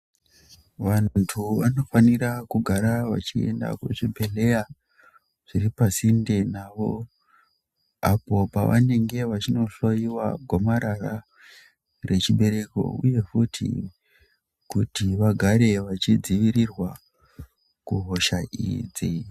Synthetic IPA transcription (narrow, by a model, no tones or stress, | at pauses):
ʋanntʰuʋano̞fanirakuɡʱaɾaʋa̰t͡ʃie̞̰nda̰kṵʐibʱe̞le̞ja | ʐ̥iripasinde̞naːʋo̞ | apo̞pa̰ʋa̰ne̞ŋɡe̞ʋat͡ʃino̞ɬojiwaɡʱomaɾara | re̞t͡ʃiɓe̞ɾe̞ko̞̰ṵje̞futʰḭ | kutiʋaɡʱaɾe̞ʋat͡ʃid͡ziʋiɾirwa | kuɦo̞ʃaʔḭd͡zi